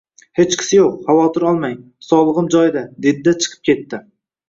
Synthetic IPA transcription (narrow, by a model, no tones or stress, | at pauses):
het͡ʃkʲʰɪ̥sɪjoqhavɒt̪ʰɪɾɒlˠmajŋ | sɒlˠɨʁɨmd͡ʒɒjd̪ad̪ed̪ɪd̪at͡ʃʰɨ̥qʰɨ̥p̚kʲʰe̞t̪ːɪ